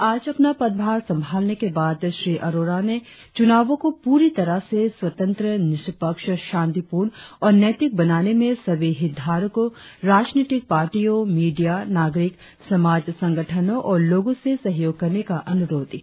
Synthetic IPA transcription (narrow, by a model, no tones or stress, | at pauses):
aːd͡ʒɐpnapɐd̪̚bʱaːɾsɐ̃mbʱaːlnekebaːd̪ʃɾiːʔɐɾoːɾane | t͡ʃʊnaːʋõkopuːɾit̪ɐɾəseswɐt̪ə̃nt̪ɾənɪʃəpəkʃʃãːnt̪ipuːɾɳɔːɾnɛːt̪ɪk̚bɐnaːnemẽsɐʋiɦɪd̪ʱaːɾkoɾaːd͡ʒniːʈɪk̚paːɾʈijõmiːɖijanaːɡɾɪk | sɐmaːd͡ʒsɐ̃ŋɡəʈʰənõʔɔːɾloːɡõsesɐɦjoːɡ̚kɐɾnekaʔɐnʊɾoːd̪i